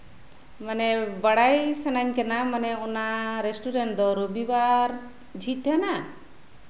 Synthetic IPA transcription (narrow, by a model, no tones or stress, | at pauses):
manɛbaɽajsanaɲkɛnamanɛɔnaɾesʈuɾɛnd̪ɔɾobiwaɾ | d͡ʒʱit̪ana